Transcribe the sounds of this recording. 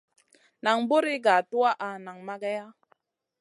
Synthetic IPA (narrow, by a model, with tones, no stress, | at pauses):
na˨ŋbu˦ɾi˦ɡa˨tu˦a˦ʔa˨na˨ŋma˦ɡa˦ja˦